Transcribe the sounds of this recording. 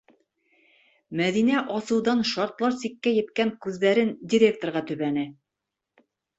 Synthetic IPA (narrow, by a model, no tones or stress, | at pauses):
mæðinæʔɑsɤ̆wðɑnʃɑɾt̪lˠɑɾsikːæjɘ̆t̪kæŋkʉððæɾɘndʲɪɾʲe̞k̚t̪oɾʁɑt̪ɵ̆βænɘ